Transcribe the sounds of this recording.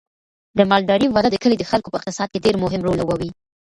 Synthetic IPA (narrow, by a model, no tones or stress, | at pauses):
d̪əmɑlɖɑɾiwad̪ad̪əkəled̪əxalkopəɪqt̪ɪsɑd̪̚keɖeɾmʊɦɪmɾolawawi